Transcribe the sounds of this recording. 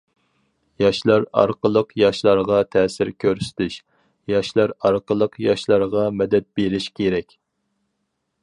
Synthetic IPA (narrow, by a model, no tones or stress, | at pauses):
jɑʃlˠɑɾɑ̰ɾqəlˠəqjɑʃlˠɑɾʁɑt̪ʰɛːsɪɾkʲʰøɾsy̥t̪ʰyʃ | jɑʃlˠɑɾɑɾqəlˠəqjɑʃlˠɑɾʁɑmɛd̪ɛt̪̚beɾɪʃkʲʰeɾɛkʲ